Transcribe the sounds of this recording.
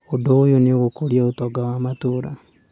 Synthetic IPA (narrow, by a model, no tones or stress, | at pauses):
odojonioɣokoljautoɡawamatuːɾa